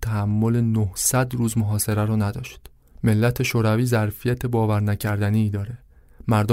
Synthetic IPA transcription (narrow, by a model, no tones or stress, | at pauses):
t̪ʰæhæmːole̞nohsæd̪ɾuːzmoɦɒːse̞ɾæɾɒːnæd̪ɒːʃt̪ | me̞lːæt̪ʰe̞ʃoːɾæviːzæɾfijæt̪ʰe̞bɒːvæɾnæcʰæɾd̪æniːd̪ɒːɾe̞ | mæɾd̪o